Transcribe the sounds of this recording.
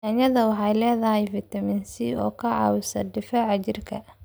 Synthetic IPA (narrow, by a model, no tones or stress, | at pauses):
aːɲɐðɐwɑħɑjlɛːðɐɦɛjfɪt̪ʰɐmɪnsiɔːkʰɐʕɑ̰ːwsɐ̰d̪ɪfɛːʕɑt͡ʃɪrkʰɐ